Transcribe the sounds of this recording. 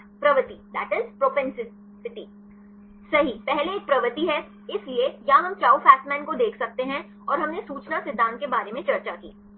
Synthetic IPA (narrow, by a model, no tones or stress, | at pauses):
pɾɐʋət̪id̪ɛ̰ːʈɪzpɾoːpɛ̃nsɪ | sɪʈ̪iː | sɐɦipɛɦleeːk̚pɾɐʋət̪iɦɛ | ɪsliejɐɦãɦɐmt͡ʃaːwfɛːk̚ʈmɛ̃ːnkod̪eːkʰsɐk̚t̪eɦɛ̃ | ɔːɾɦɐmnesuːt͡ʃnasɪd̪ʱːãːnt̪̚kebaːɾemẽt͡ʃɐɾt͡ʃakḭː